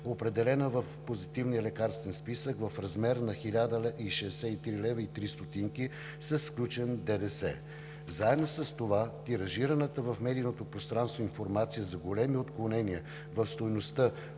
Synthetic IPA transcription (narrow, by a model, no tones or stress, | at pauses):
opɾɛd̪ɛlɛnəvəfpozit̪ivniəlɛkaɾst̪vɛnspisəkvɐfɾɐzmɛɾnɐxilʲad̪əlʔiʃɛːsɛit̪ɾilɛvəit̪ɾist̪ot̪iŋki | səsklʲut͡ʃɛnd̪ɛd̪ɛsɛ̰ | zaɛd̪nosɐst̪ovat̪iɾɐʒiɾənət̪əvɐfmɛd̪inot̪opɾost̪ɾanst̪voinfoɾmat̪sijəzɐɡolɛmiot̪klˠonɛniə | vəfst̪ojnost̪ə